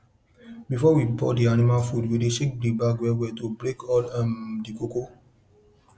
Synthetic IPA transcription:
bifɔwibɔ̰dianimalfudwideʃẽk̚blibaɡwɛwɛtubɹekɔlamdikoko

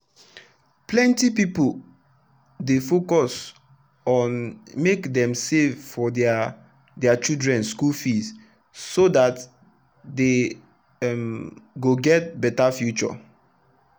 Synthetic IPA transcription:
plɛ̃ntipipo | defokɔs | ɔ̃nmekdɛ̃msevfɔd | dɛat͡ʃidɹɛ̃nskulfis | sodat | de | mɡoɡɛt̚bɛtafjut͡ʃɔ̰

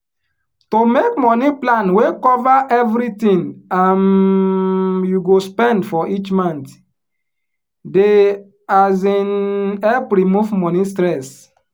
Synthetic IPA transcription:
tomek̚mɔniplãnwekɔvaʔɛvɾitĩŋan | juɡospɛ̃ndfɔʔit͡ʃmãnt | de | azinɛpɾimuvmɔnistɾɛs

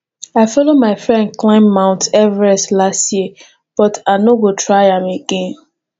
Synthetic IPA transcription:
aɪfɔlomaɪfɹɛ̃nd̚klãɪ̃mːãʊ̃ntɛvɹɛslastji | b̥ɔtʰanoɡotʰɹaɪãmeɡẽn

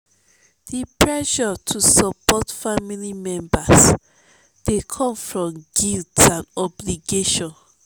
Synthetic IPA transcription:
dipʰɹɛʃɔtʰusɔpɔtfamilimɛ̃mbas | d̥ekʰɔ̃ɱfɹɔ̃mɡiltãnɔbliɡeʃɔ̃n

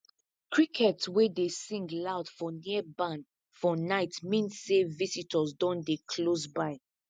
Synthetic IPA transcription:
kɹikʰɛtswedesĩŋɡlaʊdfɔnibãn | fɔnaɪtmĩnsːevisitʰɔzdɔ̃ndekʰlosbaɪ

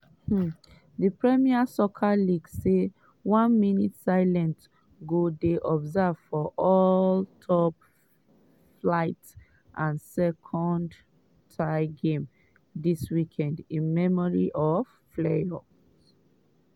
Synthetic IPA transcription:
h̩ | dəpɹɛmiasɔkʰaliɡsːe | wãnminitsaɪlɛ̃nt | ɡodeʔɔbzav̥fɔʔɔltʰɔp | flaɪt | ʔãnsɛkʰɔ̃nd | tʰaɪɡẽm | diswikʰɛ̃ndĩnmɛmɔɹiʔɔv̥ | fleɔ | s

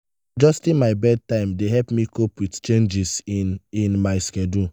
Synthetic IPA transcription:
d͡ʒɔstĩnmaɪbɛd̚tãɪ̃mdeɦɛlpmikʰopwitt͡ʃẽnd͡ʒisĩnmaɪskɛdu

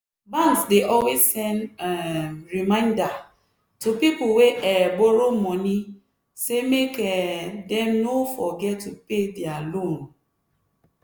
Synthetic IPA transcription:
bãnsdeʔɔlwessɛ̃n | ɹimãɪ̃nda | tupipuweʔɛbɔɹomɔ̃ni | semekɛdɛ̃mnofɔɡɛtːupedɛalõn

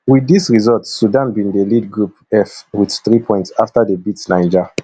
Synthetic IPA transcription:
widisɹizɔltːudãnbĩndəlid̚ɡɹup | ɛfwidθɹipʰɔ̃j̃ntsaftadəbitsnaɪd͡ʒə

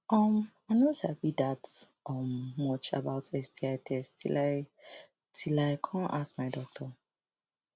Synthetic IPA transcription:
ʔɔmaɪnosabidat | ɔmmɔt͡ʃa̰baʊtʰɛstiaɪtʰɛstʰḭlaɪ | tʰilaɪkʰɔ̃naskmaɪdɔk̚tʰɔ

